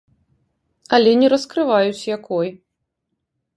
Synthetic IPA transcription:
ɐlʲɛnʲɛɾɐskɾɨvajut͡sʲjakɔj

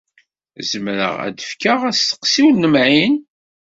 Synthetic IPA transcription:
zəmɾə̰ʁæ̰d̪əfkaʁæst̪ə̥qsiwnːəmʕin

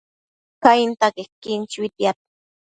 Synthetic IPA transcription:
kajint̪akekint͡ʃwit̪jat̪̚ḁ

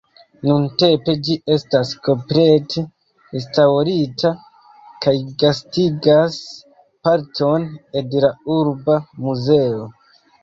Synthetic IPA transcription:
nunte̞mpe̞d͡ʒie̞stasko̞mpɾe̞tʰe̞ː | staɾitʰa | kajɡastiɡas | paɾtʰo̞ne̞dlauɾbamuze̞o̞

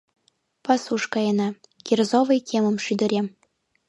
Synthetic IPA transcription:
pɑsuʃkɑjɤnɑ | kʲirzovɤjkʰʲemə̆mʃyd̪ɘ̆ɾʲem

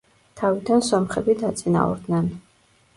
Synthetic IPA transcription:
t̪ʰavid̪ansɔmχɛbid̪at̪sʼina̰ɔ̰ɾd̪nɛn

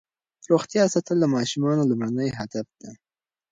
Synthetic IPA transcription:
ɾoxt̪jɑsat̪əld̪amɑʃumɑnolumɾanəjɦad̪afd̪̥a

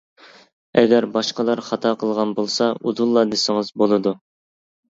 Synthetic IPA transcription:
ɛɡʲɛɾbɑʃqəlˠɑɾχɑt̪ʰɑqʰəlˠʁɑnbolˠsɑʔuzulˠːɑd̪esɪŋəzbolˠɨd̪u

